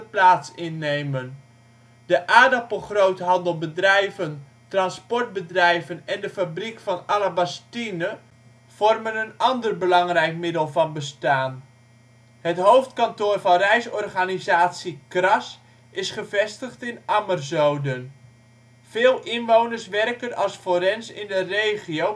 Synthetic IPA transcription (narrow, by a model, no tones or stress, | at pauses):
əplaːtsɪnːejmən | dəʔaːdapəχrowtɦɑndəlˠbədrɛjvən | trɑnspɔrt̚bədrɛjvənɛndəfabrikfɔnalabastinə | v̥ɔrmənənɑndərbəlɑŋrɛjkmɪdəlˠvɑnbəstaːn | hətɦowftkantoːrvɑnrɛjsɔrχanizaːtsikrɑs | ɪsχəvɛstəχtɪnamərzowdən | v̥ɪːlˠɪnʋownərsʋɛrkənɑlˠsfoɾɛnsɪ̰ndərejχiow